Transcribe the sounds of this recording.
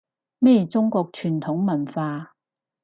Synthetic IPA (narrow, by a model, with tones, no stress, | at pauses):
mɛː˥˩jt͡sʊ˥ŋkɔː˧k̚t͡ʃʰyː˨˩nt̪ʰʊ˨˥ŋmɐ˨˩nfaː˧